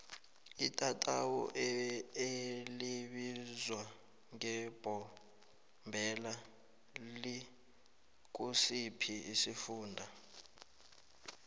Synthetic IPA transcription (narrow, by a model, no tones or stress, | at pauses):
itʼatʼawɔ̰ʔeeliɓizwa | ŋɛb̥ʱɔ | mbʱɛla | li | k̬usipʰiisifuːndʱa